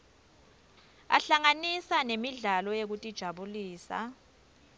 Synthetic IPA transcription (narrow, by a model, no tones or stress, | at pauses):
a̰ɬaŋanisanemiɮalɔjek̬utʼid̥ʒ̥ʱaɓuliːsa̰